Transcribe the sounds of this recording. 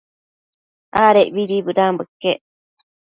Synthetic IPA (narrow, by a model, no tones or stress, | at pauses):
ʔaːɾeʔβiɾibɨɾambɨkːeʔ